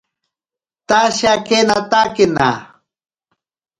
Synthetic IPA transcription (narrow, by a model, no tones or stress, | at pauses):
t̪aʃakenat̪akɪna̰